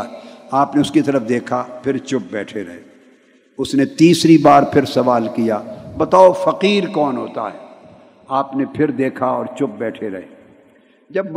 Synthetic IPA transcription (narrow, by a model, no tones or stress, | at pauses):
aːpneʊskit̪ɐɾəfd̪eːkʰapʰɪɾt͡ʃʊp̚bɛːʈʰeɾɐɦḛː | ʊsnet̪iːsɾibaːɾpʰɪɾsɐʋaːlkijabɐt̪aːofɐqiːɾkɔːnɦoːt̪a̰ɦɛː | aːpnepʰɪɾd̪eːkʰaɔːɾt͡ʃʊp̚bɛːʈʰeɾɐ̰ɦeː | d͡ʒɐbm